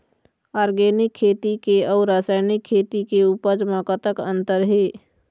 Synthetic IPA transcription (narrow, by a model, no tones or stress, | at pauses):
aːɾɡeːnɪkʰːeːt̪ikeɔːɾːaːsaːɪnɪkʰːeːt̪ikeupəd͡ʒmãkət̪əkə̃nt̪əɾɦeː